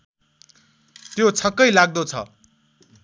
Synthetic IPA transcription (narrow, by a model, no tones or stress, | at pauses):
t̪jot͡sʰʌkːʌjlaɡ̚d̪ot͡sʰʌ̰